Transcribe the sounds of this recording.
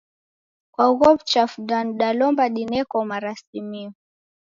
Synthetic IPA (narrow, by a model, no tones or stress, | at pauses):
kwauɣɔpt͡ʃafuɗanɗalɔmbaɗinɛkɔmaɾasimi